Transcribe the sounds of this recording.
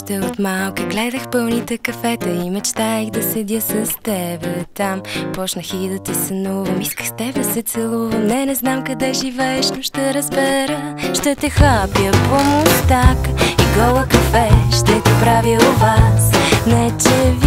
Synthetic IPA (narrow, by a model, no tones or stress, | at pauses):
ʃt̪ɛot̪malˠkəɡlɛd̪əxpɤlˠnit̪ɛkɐfɛt̪əimɛt͡ʃt̪aixd̪ɐsɛd̪ʲjəsɐst̪ɛbɛt̪ampɔt͡ʃnəxiid̪ɐt̪ɛsənuvəmiskə̥xst̪ɛb̪sɛt̪sɛlˠuvəmnɛnɛznamkɐd̪ɛʒivɛɛʃnʊʃt̪ɛɾəzbɛɾəʃt̪ɛt̪ɛxapjəpomʊst̪akiɡɔlˠəkɐfɛʃt̪ɛt̪ɛpɾavilˠvasnɛt͡ʃɛv